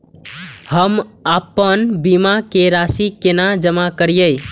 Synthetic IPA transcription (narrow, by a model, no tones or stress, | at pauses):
həmapənbimakeɾasikenad͡ʒəmakəɾijəj